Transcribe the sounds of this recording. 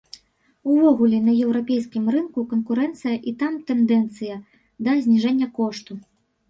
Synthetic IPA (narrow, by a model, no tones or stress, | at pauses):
uvɔɣulʲɛnɐjɛwɾapʲejskʲimrɨnkukɐnkuɾɛnt̪sɨjɐʔit̪amt̪ɛnd̪ɛnt̪sɨjɐ | d̪ɐzʲnʲiʐɛnʲːɐkɔʂt̪u